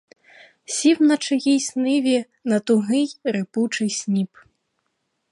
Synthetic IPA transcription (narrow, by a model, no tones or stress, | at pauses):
sʲiwnɐt͡ʂɨjisʲnɨvʲi | nɐt̪uɣɨjɾɨput͡ʂɨsʲnʲip